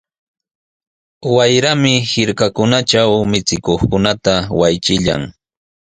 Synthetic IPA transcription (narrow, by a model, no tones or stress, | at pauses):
wajɾamɪhɪɾkakʊnat͡ʃawmɪt͡sɪkoχkʊnat̪awajt͡ʃɪʎa̰ŋ